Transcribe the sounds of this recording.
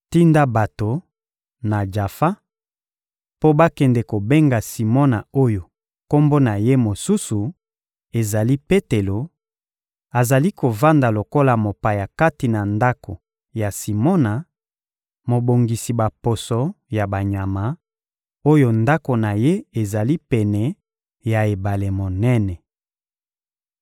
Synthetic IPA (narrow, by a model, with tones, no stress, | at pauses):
ti˦nda˦ba˨to˨ | na˨d͡ʒa˨fa˦ | po˦ba˦kɛ˨ndɛ˨ko˨be˦ŋɡa˨si˨mɔ˦na̰˨o˦jo˨ | ko˦mbo˦na˨je˦mo˨su˦su˨ | e˨za˨li˦pe˦te˨lo˨ | a˨za˨li˦ko˨va˦nda˨lo˨ko˦la˨mo˨pa˨ja˨ka˦ti˨na˨nda˦ko˨ | ja˨si˨mɔ˦na˨ | mo˨bo˨ŋɡi˨si˨ba˨po˨sɔ˨ja˨ba˨ɲa˨ma˨˦ | o˦jo˦nda˦ko˨na˨je˦e˨za˨li˦pɛ˨nɛ˨ | ja˨e˨ba˨le˨mo˨nɛ˦nɛ˨